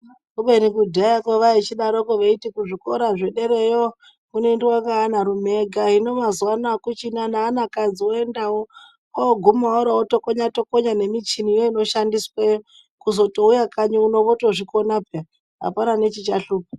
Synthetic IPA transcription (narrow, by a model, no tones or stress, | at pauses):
kuɓenikudʱajakoʋait͡ʃiɗaɾokoʋeitikuʐikoɾaʐeɗe̞ɾejo | kune̞ndiwaŋɡaːnaɾumeɡʱaɦino̞mazwanakut͡ʃinanaːnakad͡zioendawo | aoɡʱumaoɾaotokoɲato̞koɲane̞mit͡ʃinijoino̞ʃandiswejo | kuzo̞toujakaɲuuno̞βotoʐikonape | ɦa̰panane̞t͡ʃit͡ʃaɬuːp̚ḁ